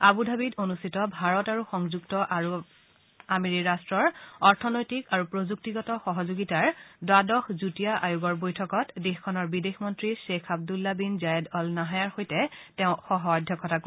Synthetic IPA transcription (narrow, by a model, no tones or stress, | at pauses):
abudʱabitonustʰitɔbʱaɹɔtaɹuxɔŋzuɡtɔʔaɹu | amiɹiɹastɹɔɹɔɹtʰɔnojtikaɹupɹozuk̚tiɡɔtɔxɔɦɔzoɡitaɹdwadɔxzutijaʔajuɡɔɹbojtʰɔkɔtdexkʰːɔnɔɹbidexmɔntɹiʃekʰab̚dulːabinzajɛdɔlnaɦajaɹxojtɛtɛʊ̃xɔɦɔɔdʱjɔkɔtak